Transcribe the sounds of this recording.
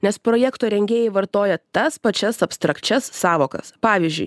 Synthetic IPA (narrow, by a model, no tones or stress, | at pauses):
nʲɛspɾoɔːjɛkt̪oːɾʲɛŋʲɡʲeːjɛɪʋɐɾt̪oːjɛt̪ɐspɐt͡ʃʲɛsɐpst̪ɾɐkt͡ʃʲɛsːɑːʋoːkɐ̰spɑːʋʲiːzʲd͡ʒʲʊ̰ɪ